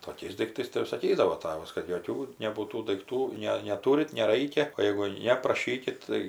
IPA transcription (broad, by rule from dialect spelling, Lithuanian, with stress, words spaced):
toːˈkʲɛɪs dɐɪkˈtɐɪs tɐɪ jɛʊ sɐˈkʲiːdɐʋoː ˈtɑːʋɐs kɐt joːˈkʲuː nʲɛbuːˈtuː dɐɪkˈtuː ˈnʲɛ nʲɛˈtuːrʲɪt nʲɛˈrɐɪkʲɛ oː jɛɪɡʊ ˈnʲɛ prɐˈʃʲiːkʲɪt tɐɪ